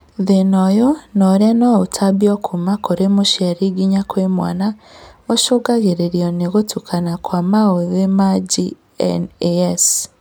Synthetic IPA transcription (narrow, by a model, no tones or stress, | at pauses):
ðenɔjonɔɾanɔutʰabiɔkʰumakoɾemoʃjaɾiɡiɲakwemwa̰naoʃoɡaɣeɾeɾiɔneɣotukʰanakwamaoðemad͡ʒḭ | nes